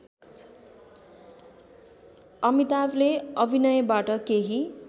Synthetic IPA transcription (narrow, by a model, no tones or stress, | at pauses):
ʌmit̪ableʌbʱinʌjʌbaʈʌkeɦi